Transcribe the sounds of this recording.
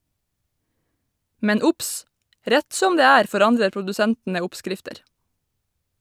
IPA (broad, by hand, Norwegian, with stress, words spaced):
ˈmɛn ˈʊps ˈɾæt ˈsɔm ˈdeː ˈæːɾ fɔˈɾɑndə pʊdʉˈsæntnə ˈʊpˌskɾɪftəɾ